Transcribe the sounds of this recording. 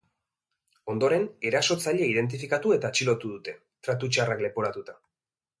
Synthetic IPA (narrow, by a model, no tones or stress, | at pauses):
o̞nd̪o̞ɾe̞ne̞ɾaso̞t͡saʎeið̞e̞nt̪̬ifikat̪ue̞t̪at͡ʃilo̞t̪uðut̪e̞ | t̪ɾat̪ut͡ʃarakle̞po̞ɾat̪ut̪a